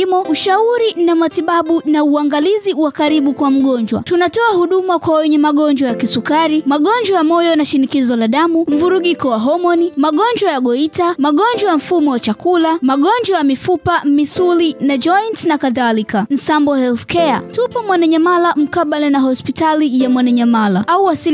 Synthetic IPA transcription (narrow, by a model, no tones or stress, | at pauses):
mɔuʃauɾinamatiɓaɓunauaŋɡaliziwakaɾiɓukwam̩ɠɔnd͡ʒwa̰tunatɔahuɗumakwawɛɲɛmaɠɔɲd͡ʒwajakisukaɾimaɠɔɲd͡ʒwajamɔjɔnaʃinikizɔlaɗamum̩vuɾuɠikɔwaɦɔmɔnimaɠɔɲd͡ʒwajaɠɔitamaɠɔnd͡ʒwajam̩fumɔwat͡ʃakulamaɠɔnd͡ʒwajamifupamisulinad͡ʒɔjntnakaðalikan̩sambɔhɛlθkɛa̰tupɔmwanaɲamalam̩kaɓalɛnaɦɔspitalijamwanaɲamalaauwasi